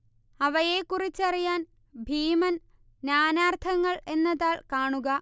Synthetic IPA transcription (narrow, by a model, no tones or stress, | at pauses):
ɐʋɐjeːkːurit͡ɕːɐrijaːn | bʱiːmɐn | naːnaːrt̪ʰɐŋːɐɭe̞nːɐðaːɭkaːɳuɣɐ